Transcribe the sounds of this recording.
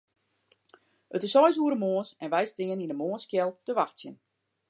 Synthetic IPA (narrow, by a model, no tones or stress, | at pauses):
ətɪsɔjsuəɾəmoːəsɛnʋɛjstɪːəninəmoənskjɛlˠtəʋaxtsjən